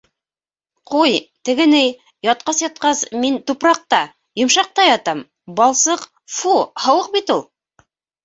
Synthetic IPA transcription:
qujt̪ɘ̆ɡɘ̆nɘj | jɑt̪̚qɑsjɑt̪̚qɑsmint̪upɾɑq̚t̪ɑ | jŏmʃɑq̚t̪ɑjɑt̪ɑm | bɑlˠsɤq | fuhɑ̆wɤq̚bit̪ulˠ

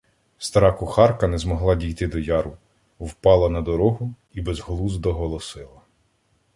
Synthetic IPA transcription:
st̪ɐɾɑkʊxɑrkɐnɛzmɔɦlˠɑdʲijt̪ɪd̪ɔjɑɾʊ | wpɑlˠɐnɐd̪ɔɾɔɦʊ | ibɛzɦlˠuzd̪ɔɦɔlˠɔsɪlˠɐ

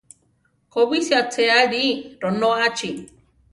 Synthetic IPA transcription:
koβisjat͡seaɾiɾonoat͡ʃi

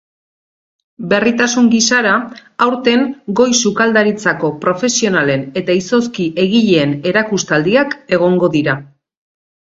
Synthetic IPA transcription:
be̞rit̪asuŋɡisaɾaawɾt̪e̞ŋɡo̞jsukald̪aɾit͡sako̞pɾo̞fe̞sio̞nale̞ne̞t̪aiso̞skiʔe̞ɣiʎe̞ːne̞ɾakust̪ald̪iake̞ɣ̞o̞ŋɡo̞ðiɾa

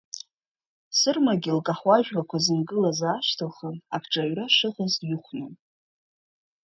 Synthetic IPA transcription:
sɨrmaɡʲɪlkʼaħwaʒᶣrakʷʰazɨnɡɨlazaːʃtʰɨlχənakʰʈ͡ʂʼaɥraʂɨχazjɪχʷnɨn

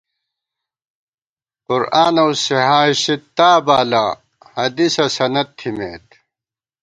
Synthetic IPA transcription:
qʊɾaːnɐwsiɦaːɕit̪ːaːbaːla | hɐd̪isɐsɐnɐt̪̚t̪ʰːimḛːt̪

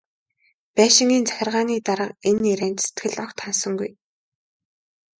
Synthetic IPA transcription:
pæːʃɪ̆ŋɡiːnt͡sæ̥xʲɪ̆rʁaːniːt̪aɾə̆qeniɾæːnt̪se̥t̪ɡɘ̆ɮɔkt̪χansɞ̆ŋɡuj

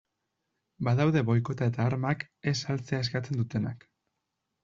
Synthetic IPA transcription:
baðawðe̞βo̞jko̞t̪ae̞t̪aːɾmak | e̞salt͡se̞ae̞skat͡se̞nd̪ut̪e̞nak

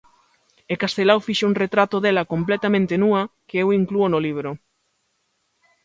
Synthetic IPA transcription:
ekast̪elawfiʃouŋret̪ɾat̪oðelɐkomplet̪amẽnt̪enuɐkeewiŋkluonoliβ̞ɾo

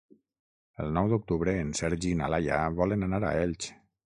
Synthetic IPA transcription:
əlˠnɔwd̪uk̚t̪uβɾəːnsɛɾʒinalaja̰βɔlənanaɾa̰eʎʲt͡ʃ

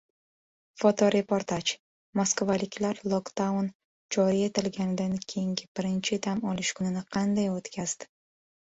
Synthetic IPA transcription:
fɒt̪ʰɒɾe̞pʰoɾt̪ʰat͡ʃ | moskvalɪkʲʰlaɾlˠokd̪awn | d͡ʒɒɾɪjet̪ɪlɡʲanɪd̪ankʲʰe̞jɪŋɡʲɪb̥ɪɾɪnt͡ʃʰɪd̪amɒlɪʃkʰʊnɪnɪqʰɑnd̪ajot̪kʲʰaz̥d̪ɪ̥

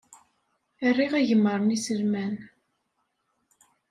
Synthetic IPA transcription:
ərːiʁæʝəmːəɾˤnisəlmæn

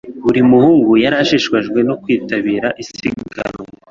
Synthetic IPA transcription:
βuɾimuhuːŋɡujaɾaʃiʃkwaʒɡwe̞nokwiːtaβiːɾaʔisḭɡa̰ɾo

